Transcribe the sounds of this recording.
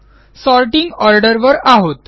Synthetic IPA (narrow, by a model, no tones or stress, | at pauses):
sɔɾʈiŋɡɔɾɖəɾʋəɾaɦot̪